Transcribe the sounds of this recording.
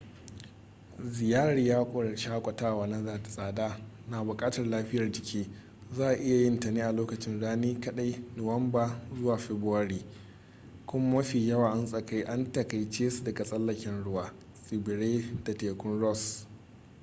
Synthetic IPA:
zɪ˨jaː˦ɾiː˨jaː˦kʷʼʃaː˦kʷʼɐ˨taː˦waː˨na˦zaː˨ta˨sʼaː˨daː˦ | naː˨bʊ˨kʼaː˦tɐ˨rlaː˦ɸɪ˦jɐ˨rd͡ʒɪ˨kʲʰeː˦ | zaː˦ʔa˨ʔɪ˦ja˨jɪ˦ntɐ˨niː˦ʔa˨loː˦kɐ˨t͡ʃɪ˦nɽaː˦niː˦kɐ˦ɗa˦jnʊ˨wɐ˦mbaː˦zʊ˦waː˨ɸɛ˨bʊ˦wɐ˦ɽiː˨ | kʷʊ˦mːɐ˦ɸiː˨jɐ˦waː˨ʔa˦nsʼɐ˨ka˦jʔa˦ntɐ˨ka˨jt͡ʃeː˦su˨dɐ˨ɡa˨sʼɐ˦lːɐ˨kʲɛ˨nɽʊ˦waː˦ | sʼi˨bɪ˨ɽeː˦da˨teː˨kʷʊ˦nɽɔ˦s

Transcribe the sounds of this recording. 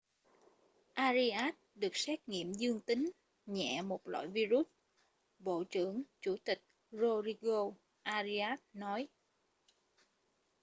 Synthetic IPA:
ʔaː˧zi˧ʔaː˦˥t̚ɗɨ˨˩ək̚sɛ˦˥k̚ŋḭ˧˨əmzɨ˧əŋt̪ï˨˦ŋ̟ | ɲɛ̰˧˩˨mo˨˩t̚la̰˧˨jvi˧zu˦˥t̚ | ɓo̰˧˨t͡ɕɨ̰˧˩əŋt͡ɕu˧˩t̪ï˨˩k̟̚ | zo˧zi˧ɣo˧ | ʔaː˧zi˧aː˦˥t̚nɔ˨˦j

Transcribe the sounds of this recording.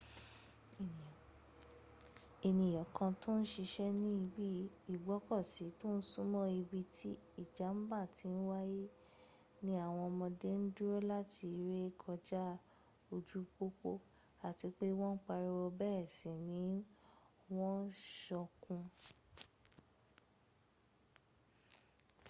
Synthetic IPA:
e˨nĩ˨jɔ˨kʰã˧to˦n̩˦ʃi˧ʃɛ˦nĩ˦i˧bi˦ | i˨ɡ͡bɔ˨˦kɔ˦˨si˨˦to˦n̩˦sũ˦mɔ̃˦i˧bi˧tʰi˦ | i˦˨d͡ʒa˨˦m̩˦ba˦˨tĩ˨˦n̩˦wa˦je˦ | nĩ˦a˦˨w̃ɔ̃˧mɔ̃˧de˦n̩˦du˦ɾo˦la˦ti˧ɾe˦kʰɔ˧d͡ʒa˦ | o˧d͡ʒu˦k͡po˦k͡po˦ | a˨ti˧k͡pe˦w̃ɔ̃˦n̩˦k͡pa˧ɾi˧wɔ˧bɛ˦ɛ˦˨sɛ˨nĩ˨˦ | w̃ɔ̃˦ʃɔ˧kũ˧

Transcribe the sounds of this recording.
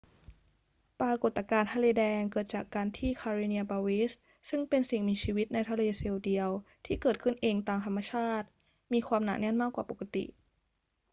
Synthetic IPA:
pɾaː˧ko˨˩t̪ːa˧˩kaː˧nt̪ʰaː˧leː˧dɛː˧ŋkɤː˨˩t̪̚t͡ɕaː˨˩kːaː˧nt̪ʰiː˥˩kʰaː˧ɾeː˧ni˧ɐbaː˧wi˦˥s | sɯ˥˩ŋpe˧nsi˨˩ŋmiː˧t͡ɕʰiː˧wi˦˥t̪̚na˧jt̪ʰa˧leː˧se˧wdi˧əwt̪ʰiː˥˩kɤː˨˩t̪̚kʰɯ˥˩nʔeː˧ŋt̪aː˧˩ŋt̪ʰa˧mːa˧t͡ɕʰaː˥˩t̪̚ | miː˧kʰwaː˧mna̰˨˩nɛ˥˩˨nmaː˥˩kwaː˨˩po˨˩ka˧t̪ḭ˨˩ʔ

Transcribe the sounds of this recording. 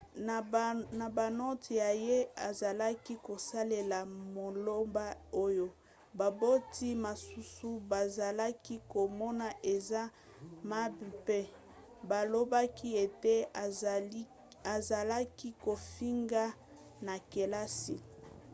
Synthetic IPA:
na˨ba˨no˦tja˨je˦a˨za˨la˦ki˦ko˨sa˦le˨la˨mo˨lo˦mba˦o˦jo˦ | ba˨bo˦ti˦ma˨su˦su˦ba˨za˨la˦ki˦ko˨mɔ˦na˨ʔe˨za˦ | ma˦bi˨pɛ˦ | ba˨lo˦ba˦ki˦e˨te˦ | a˨za˨la˦ki˦ko˨fi˦ŋɡa˦ | na˨ke˨la˦sḭ˨

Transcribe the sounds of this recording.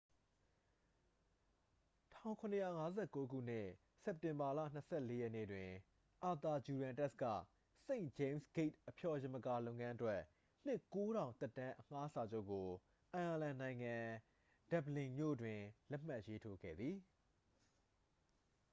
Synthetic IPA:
tʰã̰˦˨ʊ̃ŋkʰʊ̃˨nəjä̰˦˨ŋa˦zɛ˦˨ko˦ɡṵ˦˨n̥ɪ̰˦˨ | sɛ˦˨p̚tɪ̃˨mba˨lä̰˦˨n̥əsʰɛ̰˦˨le˦jɛ˦˨nḛ˦˨dwɪ̃˨ | ʔa˨t̪a˨d͡ʑu˨ɾã˨ntɛ˦skä̰˦˨ | sẽ˦ɪ̃d͡ʑẽ˨msɡ̥e˦t̚ʔəpʰjɔ˨jɪ̃˨mə˨ka˨lõ˦˨ʊ̃ŋã˦ʔə˦twɛ˦ʔ | n̥ɪ˦ʔko˦ɾã˨ʊ̃t̪ɛ˦tːã˦ʔəŋ̥a˦sa˨d͡ʑo˦ʊʔkːo˨ | ʔã˨ʔa˨lã˨nã˨ɪ̃ŋã˨ | d̥ɛ˨blɪ̃˨mjo̰˦˨dwɪ̃˨lɛ˦ʔm̥ma˦ʔje˦tʰo˦ɡɛ̰˦˨d̪ði˨

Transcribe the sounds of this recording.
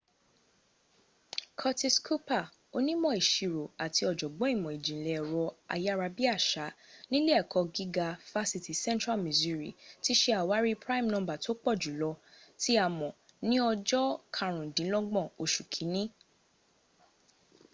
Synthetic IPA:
kʰɔ˧ti˧skʰu˦pa˦˨ | o˧nĩ˦mɔ̃˦˨i˨ʃi˨ɾo˨a˨tʰi˧ɔ˨d͡ʒɔ˨ɡ͡bɔ̃˨˦i˦˨mɔ̃˨i˨d͡ʒĩ˨le˨ɛ˨ɾɔ˧a̰˧ja˦˧ɾa˧bi˦a˦˨ʃa˨˦nĩ˦le˦ɛ˨kʰɔ˧ɡi˦ɡa˧fa˦si˧ti˨sɛ̃˦ntɾa˦˨mĩ˨zu˧ɾḭ˨ti˦ʃe˦a˨wa˦ɾi˦pɾa˦i˦˨mnɔ̃˧˦ba˦˨to˦k͡pɔ˦˨d͡ʒu˨˦lɔ˧ti˦a˨mɔ̃˨ | nĩ˦ɔ˧d͡ʒɔ˦kʰa˧ɾ̃ũ˨dĩ˨˦lɔ˦ɡ͡bɔ̃˦˨o˨ʃu˨kʰi˨˦nĩ˦

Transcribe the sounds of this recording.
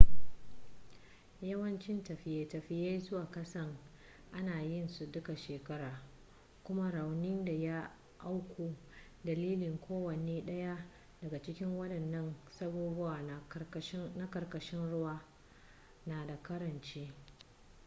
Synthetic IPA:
jɐ˦wɐ˦nt͡ʃɪ˦ntɐ˨ɸɪ˨je˦tɐ˨ɸɪ˦ja˦jzʊ˦waː˨kɐ˦sɐ˦ŋ | ʔa˦naː˨jɪ˦nsu˨dʊ˦ka˨ʃeː˨kɐ˦ɾaː˨ | kʷʊ˦ma˦ɽa˨wnɪ˦nda˨ja˦ | ʔa˦wkʷʰoː˨ | dɐ˨liː˦lɪ˨ŋkʷoː˦wɐ˨neː˦ɗɐ˦ja˦ | dɐ˨ɡa˨t͡ʃɪ˦kʲɪ˦ŋwɐ˦ɗɐ˨nːɐ˦nsɐ˦buː˦bʊ˦waː˨˦ | na˦kɐ˨rkɐ˨ʃɪ˦nɽʊ˦waː˦ | naː˨da˨kɐ˦ɾɐ˨nt͡ʃeː˦

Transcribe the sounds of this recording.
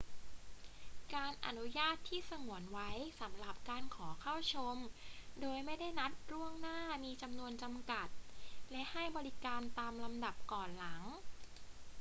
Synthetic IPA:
kaː˧nʔa̰˨˩nu˦˥jaː˥˩t̪ʰːiː˥˩sa˧ŋu˩˦ənwa˦˥jsa˩˦mɾa˨˩p̚kaː˧nkʰɔː˩˦kʰa˥˩wt͡ɕʰo˧mdoː˧jma˥˩jda˥˩jna˦˥t̪̚ɾu˥˩əŋnaː˥˩miː˧t͡ɕa˧mnu˧ənt͡ɕa˧mka˨˩t̪̚lɛ˦˥ʔha˥˩jbɔː˧ɾi˦˥kaː˧nt̪aː˧mla˧mda˨˩p̚kɔː˨˩nla˩˦ŋ

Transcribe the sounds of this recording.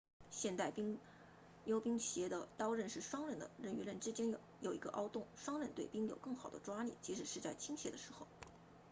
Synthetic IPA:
ɕjɛ˥˧nt̪a˥˩ɪpi˥ŋ | jo˥ʊpi˥ŋɕjɛ˧˥d̪ə˨t̪ɑ˥ʊɻə˥˧nʂɻ̩˥˩ʂwɑ˥ŋɻə˥˩nd̪ə̰˩ɻə˥˩ny˧˥ɻə˥˩nʈ͡ʂɻ̩˥t͡ɕjɛ˥n | jo˨˩ʊḭ˧˥ɡə˧ʔɑ˥ʊt̪ʊ˥˩ŋʂwɑ˥ŋɻə˥˧nt̪we˥˩ɪpi˥ŋjo˨˩ʊkɤ˥˩ŋxɑ˨˩ʊd̪ə˦ʈ͡ʂwa˥lḭ˥˩t͡ɕi˧˥ʂɻ̩˨˩ʂɻ̩˥˧t͡sa˥˩ɪt͡ɕʰi˥ŋɕʰjɛ˧˥d̪ə˧ʂɻ̩˧˥xo˧˩ʊ

